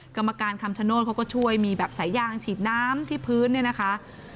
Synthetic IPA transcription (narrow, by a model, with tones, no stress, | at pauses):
ka˧mːa˧kaː˧nkʰa˧mt͡ɕʰa˧noː˥˩t̪kʰa˦˥wkɔ˥˩t͡ɕʰu˥˩əjmiː˧bɛː˨˩p̚sa˩˦jːaː˧ŋt͡ɕʰiː˨˩t̪̚naː˦˥mt̪ʰiː˥˩pʰɯː˦˥nːi˥˩ɐna˦˥kʰa˦˥ʔ